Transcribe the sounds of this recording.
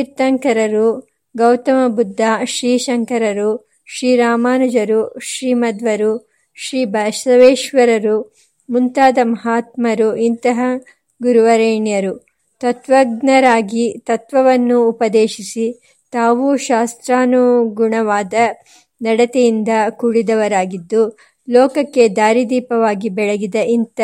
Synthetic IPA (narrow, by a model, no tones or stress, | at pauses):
iɾt̪ɐŋkɐɾɐɾu | ɡɐwt̪ɐmɐbud̪ʱːaːʃɾiːʃɐŋkɐɾɐɾu | ʃɾiːɾaːmaːnud͡ʒɐɾuʃɾiːmɐd̪ʋɐɾu | ʃɾiːbɐʃɐʋeːʃʋɐɾɐɾu | munt̪aːd̪ɐmɐɦaːt̪mɐɾuʔint̪ɐɦɐ | ɡuɾuʋɐɾeːɳjɐɾu | t̪ɐt̪ʋɐɡnɐɾaːɡit̪ɐt̪ʋɐʋɐnːuːpɐd̪eːʃisi | t̪aːʋuʃaːst̪ɾaːnuɡuɳɐʋaːd̪ɐ | nɐɽɐt̪ɛjind̪ɐkuɽid̪ɐʋɐɾaːɡid̪ːu | lɔːkɐkːe̞d̪aːɾid̪iːpɐʋaːɡibɛɭɐɡid̪ɐʔint̪ɐ